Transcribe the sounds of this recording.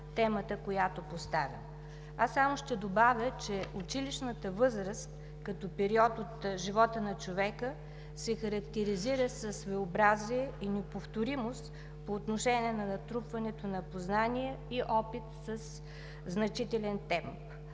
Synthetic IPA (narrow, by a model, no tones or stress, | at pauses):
t̪ɛmət̪əkojat̪opost̪avʲə | asːamoʃt̪ɛd̪obavʲjət͡ʃɛʊt͡ʃiliʃnət̪əvɤzɾəst̪ | kɐt̪ɔpɛɾiɔt̪ot̪ʒivɔt̪ənɐt͡ʃovɛkə | sɛxəɾɐkt̪ɛɾiziɾəsəsːvoobɾaziɛinɛpoft̪oɾimost̪ | poːt̪noʃɛnʲiɛnɐnɐt̪ɾupvɐnɛt̪onɐpoznaniɛiʔɔpit̪səs | znɐt͡ʃit̪ɛlɛnt̪ɛmp